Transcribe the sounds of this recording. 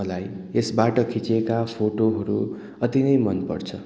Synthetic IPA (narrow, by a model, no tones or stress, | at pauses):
ʌlaj | esbaʈʌkʰit͡sekapʰoʈoɦʌɾu | ʌt̪inʌjmʌnpʌ̰rt͡sʰʌ